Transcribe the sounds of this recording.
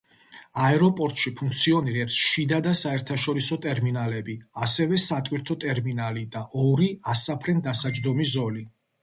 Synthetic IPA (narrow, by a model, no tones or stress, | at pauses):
aɛɾɔpʼɔɾt̪ʼʃipʰuŋk̚ʰt̪sʰiɔniɾɛpsʃid̪ad̪asaɛɾt̪ʰaʃɔɾisɔt̪ʼɛɾminalɛbiasɛvɛsat̪ʼwiɾt̪ʰɔt̪ʼɛɾminalid̪aʔɔɾiasapʰɾɛnd̪asad͡ʒd̪ɔmizɔli